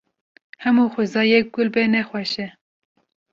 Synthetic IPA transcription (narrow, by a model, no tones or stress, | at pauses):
hɛmuːxʷʊzɑːjɛk̚ɡʊlbɛnɛxwɛʃɛ